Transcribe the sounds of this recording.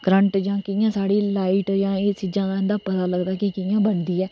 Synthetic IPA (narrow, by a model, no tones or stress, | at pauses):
kɾə̃ɳʈd͡ʒãːkɪjãːsaːɽiːlaːiʈd͡ʒãːeːt͡ʃiːd͡ʒãːd̪aːɪ̃nd̪aːpət̪aːləɡd̪aːkɪkɪjãːbəɳd̪iːɛː